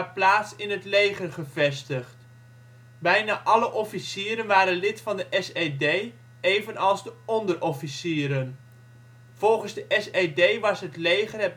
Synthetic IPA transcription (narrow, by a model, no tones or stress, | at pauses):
plaːtsɪnɦətlejχəɹχəvɛstəχt | bɛjnaːʔɑləʔɔfisɪːɾənʋaːɾənlɪtfɑndəʔɛsejdej | ejvənɑlˠzdəɔndəɹɔfisɪːɾən | v̥ɔlˠχənzdəʔɛsejdejʋɑsɦətlejχərɛ